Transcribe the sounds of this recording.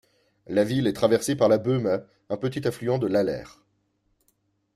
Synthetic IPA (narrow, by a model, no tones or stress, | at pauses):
lavilɛt̪χavɛʁsepaʁlabøma | ɛ̃pət̪it̪aflyɑ̃d̪əlalɛ̰ːʁ